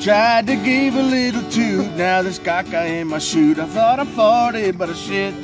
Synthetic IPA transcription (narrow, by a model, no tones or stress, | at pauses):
tʰɹ̥aɪd̚tɨɡɪvəlɪɾl̩ˠtʰʉnaʊðəskɑkaɪ̃nmaɪʃʉɾaɪθɔɾafɔɾɪt̚bʌɾɨʃɪt̚